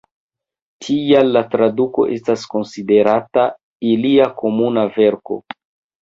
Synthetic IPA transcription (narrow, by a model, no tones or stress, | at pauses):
tʰijalːatɾaduko̞̰ʔe̞stasko̞nside̞ɾata | iliako̞munave̞ɾko̞̰